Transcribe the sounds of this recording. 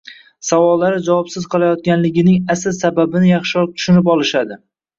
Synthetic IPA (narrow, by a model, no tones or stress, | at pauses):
savɒlˠːaɾɪd͡ʒavɒpsɪz̥qʰɨlˠajɒt̪̚kʲanlɪɡʲɪnɪŋasɪlsababɪnɪjɑχʃɪɒl̚t̪ʰʊ̥ʃʊnɪp̬ɒlˠɪʃad̪ɪ